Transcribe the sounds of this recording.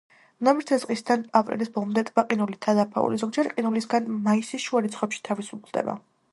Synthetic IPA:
namiɾt̪ʰɛzqʼisd̪anapʼɾḭlisbɔlˠmd̪ɛt̪ʼbaqʼinulit̪ʰad̪apʰa̰ṵlizɔɡ̚d͡ʒɛɾqʼinulisɡanmaisiʃuaɾit̪sχwɛpʃi̥t̪ʰavisukʰlˠd̪ɛ̰ba̰

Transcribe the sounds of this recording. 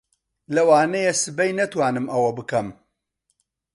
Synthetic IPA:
lɐwaːnɐjesɨbɐjnɐt̪waːnɨmʔɐwɐbɨkɐm

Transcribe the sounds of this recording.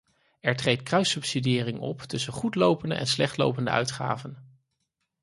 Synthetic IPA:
ɛɹtrejtkrœɥsɵpsidɪːrɪŋɔ̰ptɵsənχutlowpəndə̰ʔɛ̰nslɛχtlo̰wpəndə̰œ̰ɥtχa̰ːvən

